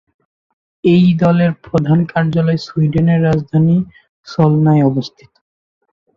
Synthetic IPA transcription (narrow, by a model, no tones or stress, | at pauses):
ejd̪ɔleɾpɾod̪ʱankaɾd͡ʑalɔesujɖeneɾːad͡ʑd̪ʱani | ʃɔlnaeɔbost̪ʰi̥t̪o̥